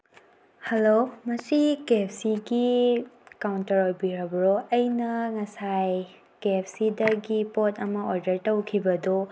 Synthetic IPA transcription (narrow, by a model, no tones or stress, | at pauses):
hɐlomɐsikepʰsiɡi | kawntɐɾojbiɾɐbɾoɐjnɐŋɐsaj | kepʰsidɐɡipotɐmɐoɾdɐɾtɐwkʰibɐdo